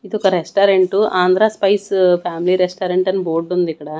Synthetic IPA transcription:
id̪ɔkɐɾesʈaːɾeɳʈuʔaːnd̪ɾaːspɐjspʰjaːmiliɾesʈaːɾeɳʈɐnuboːɾɖund̪ikːɐɽaː

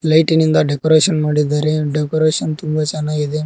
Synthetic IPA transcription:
lɐjʈinind̪ɐɖekoɾeːʃɐnmaːɽid̪aːɾeɖekoɾeːʃɐnt̪umbɐt͡ʃɐnːaːid̪e

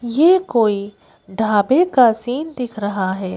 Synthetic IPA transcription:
jekoːi | ɖʱaːbekasiːnd̪ɪkʰɾɐɦaɦɛː

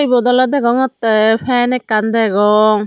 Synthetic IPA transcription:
jbɔd̪ɔlad̪ɛɡɔŋɔt̪pʰɛnɛkːand̪ɛɡɔŋ

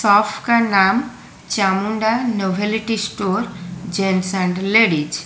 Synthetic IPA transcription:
sɔfʰkanam | t͡ʃamuɳɖanoʋʱeliʈisʈoɾd͡ʒensãɳɖleɽid͡ʒ

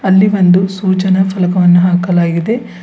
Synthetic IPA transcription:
ɐlːiʋond̪usuːt͡ʃɐnɐfɐlɐkɐʋɐnːuɦaːkɐlaːɡid̪e̞

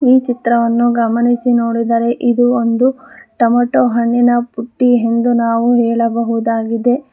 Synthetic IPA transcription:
iːt͡ʃit̪ɾɐʋɐnːuɡɐmɐnisinoːɽid̪ɐɾe̞ʔid̪uond̪uʈɐmɐʈoːɦɐɳːinɐpuʈːiɦe̞nd̪unaːʋuɦɛːɭɐbɐɦud̪aːɡid̪e̞

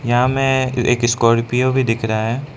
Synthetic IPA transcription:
jɐɦãmɛ̃ḛːkɪskɔːɾpijobʱid̪ɪkʰɾaaɦɛː

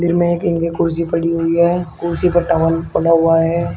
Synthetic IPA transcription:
d̪ɪɾmẽeːkɪ̃ŋɡekʊɾsipɐɽiɦʊiɦɛːkʊɾsipɐɾʈaːʋəlpɐɽaɦʊaɦɛː

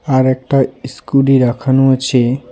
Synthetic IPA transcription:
aɾek̚ʈaiskuɖiɾakʰənut͡ʃʰe

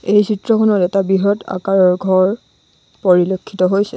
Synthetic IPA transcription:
ejsitɹɔkʰɔnɔtɛtabiɦɔta̰kaɹɔɹɡʱɔɹ | poɹilokʰːitɔɦojsɛ

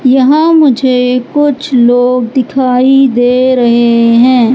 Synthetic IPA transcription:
jɐɦãmʊd͡ʒʱekʊt͡ʃʰloːɡd̪ɪkʰaːid̪eːɾɐɦeɦɛ̃ː

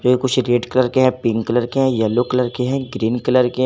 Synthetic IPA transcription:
d͡ʒoːekʊt͡ʃʰɾeːɖkɐləɾkeɦɛ̃pɪ̃ŋɡkɐləɾkeɦɛ̃jɛlːokɐləɾkeɦɛ̃ɡɾiːnkɐləɾke

